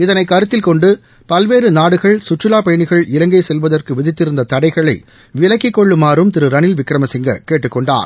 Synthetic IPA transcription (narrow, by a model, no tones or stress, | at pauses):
ɪðɐnɐɪkːɐɾɯt̪ːɪlkɔɳɖɯ | pɐlʋeːɾɯnaːɽɯɣɐɭsʊʈt͡ʃːɯlaːpɐjɐɳɪɣɐɭɪlɐŋɡɐɪsɛlʋɐðɐrkɯʋɪðɪt̪ːɪɾɯnd̪ɐt̪ɐɽɐɪɣɐɭɐɪ | ʋɪlɐkːɪkːɔɭːɯmaːɾɯmt̪ɪɾɯɾɐnɪlʋɪkɾɐmɐsɪŋɡɐ̰keːʈːɯkːɔɳɖa̰ːɾ